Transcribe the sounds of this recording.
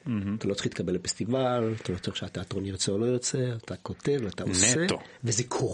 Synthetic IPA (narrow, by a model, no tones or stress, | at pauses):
at̪alo̞t͡se̥iχit̪kabe̞lefestivalat̪alot͡soiχʃeat̪eat̪ʁonjet͡seolo̞jot͡seat̪ako̞t̪e̞vlat̪aonseetovezekʰo